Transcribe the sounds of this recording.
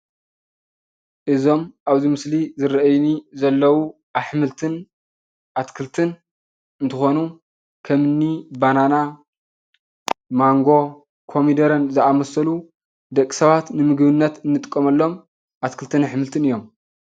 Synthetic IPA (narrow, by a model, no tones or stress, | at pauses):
ʔɨzo̞mʔaβzimɨslizɨɾɐʔɐjnizɐlːɐwu | ʔaβħɨmɨlt̪ʰɨn | ʔat̪kʰɨlt̪ʰɨn | ɨnt̪ʰɨxo̞nu | kʰɐmɨnːibanana | maŋɡo̞ | kʰo̞mid̪ɐɾɐnzɨʔamɐsɐlu | d̪ɐkʼːi̥sɐβat̪nɨmɨɡβɨnːɐt̪ɨnːɨt̪ʼɨkʼːɐmɐlːo̞m | ʔat̪kʰɨlt̪ʰɨnaħɨmɨlt̪ʰɨnɨjːo̞m